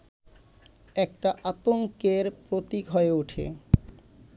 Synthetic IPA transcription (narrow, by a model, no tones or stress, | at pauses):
ɛk̚ʈaʔat̪oŋkeɾpɾot̪ikɦɔeuʈʰḛ